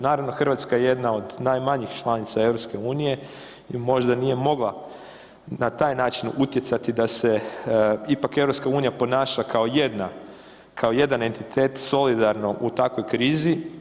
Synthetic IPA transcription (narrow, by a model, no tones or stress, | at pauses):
naːɾaʋno̞xr̩ʋat̪skajeje̞d̪nao̞d̪najmaɲixt͡ʃlˠanit̪sae̞ʋɾopske̞uːnije̞ | imo̞ʒd̪anije̞mo̞ɡlˠa | nat̪aːjnaːt͡ʃinut̪je̞t̪sat̪id̪ase̞ | ipake̞vɾo̞pskauːnijapo̞naːʃakʰaoje̞d̪na | kʰao̞je̞d̪ane̞nt̪it̪ʰe̞ːt̪so̞lid̪aɾno̞ʔut̪akʋo̞jkɾiːzi